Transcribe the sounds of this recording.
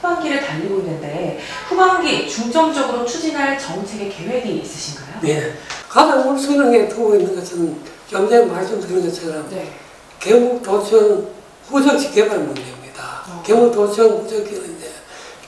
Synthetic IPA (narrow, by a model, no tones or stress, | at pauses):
ubaŋɡiɾɯɭtaʎːiɡoinːɯnde̞ɸubaŋɡit͡ɕuŋd͡ʑʌŋd͡ʑʌɡɯɾot͡ɕʰud͡ʑinɦaɭt͡ɕʌŋt͡ɕʰe̞ɡe̞ke̞we̞ɡiːs͈ɯ̥ɕʰinɡajojekadanomsʰɯɲaŋetɯɡoinːɯnɡʌt͡ɕʰɯnɯnkjʌnd͡ʑemaɭs͈omtɯɾɯnɡʌt͡ɕʰaɡɯɾam | keuktʌt͡ɕʰʌn | ɸud͡ʑʌŋt͡ɕiɡebannmund͡ʑeimɲid̥akemuk̚tʌt͡ɕʰʌnɸud͡ʑʌkenɯnde